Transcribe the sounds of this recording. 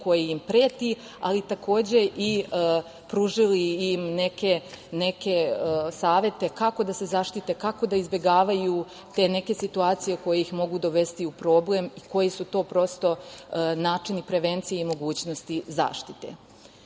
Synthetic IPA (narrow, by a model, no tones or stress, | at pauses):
ko̞jijimpɾeːt̪i | alit̪ako̞ːd͡ʑe̞ʔi | pɾuːʒiliimne̞ke | ne̞ke̞saːʋje̞t̪e̞kako̞d̪ase̞zaʃt̪it̪e̞kako̞d̪aizbje̞ɡaːʋaju | t̪e̞ːne̞ke̞sit̪uaːt̪sijeko̞jeixmo̞ɡud̪o̞ʋe̞st̪iupɾo̞ːble̞miko̞jisut̪o̞ːpɾo̞st̪o̞naːt͡ʂinipɾe̞ʋe̞nt̪sijeimo̞ɡuːt͡ɕno̞st̪iza̰ːʃt̪i̥t̪e̞̰